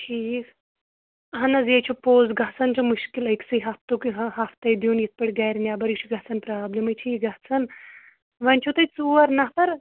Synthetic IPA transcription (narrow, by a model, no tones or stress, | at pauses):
ʈʰiːk | ɐɦɐnɐzjɐt͡ʃʰupoːzɡɐt͡sʰɐnt͡ʃʰumuʃkilɐksɐjɦɐft̪okɦɐft̪ɐjd̪juːnjit̪̚pɐɽʲɡaːjɾnʲjaːbɐɾikt͡ʃʰuɡɐɦt͡sʰɐnpɾaːblɐmɐjt͡ʃʰiːɡɐht͡sʰɐn | ʋɐnʲt͡ʃʰut̪ɐjt͡suɐɾnɐpʰɐɾ